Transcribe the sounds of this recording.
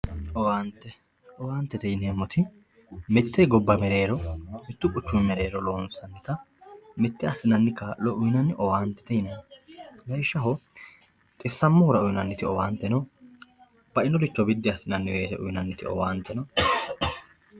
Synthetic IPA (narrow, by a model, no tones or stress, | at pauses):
ɔwaːnt̪ːɛ | ɔwaːnt̪ːɛt̪ɛjnemɔt̪ʰɪ | mɛt̪ːɛɡɔbːɐmɛɾeːɾɔmɪt̪ːʊpʼʊt͡ʃːʊnmɛɾeːɾɔloːnsɐnːɪt̪ɐ | mɛt̪ːɛɐsːɪnɐnːɪkaːʔlɔʔʊjnɐnːɪʔɔwaːnt̪ːɛ̥t̪ɛjɪnɐnlɐjʃːɐɦɔ | t̪ʼɪsːɐmːɔhʊɾɐʊjnɐnːɪt̪ɪɔwaːnt̪ːɛnɔ | b̥ɐʔɪnɔlɪt͡ʃːɔbɪd̪ːɪɐsːɪnɐnːɪeːtɛʔʊ̰jnɐnːɪt̪ɪ̰ɔ̰waːnt̪ːɛnɔ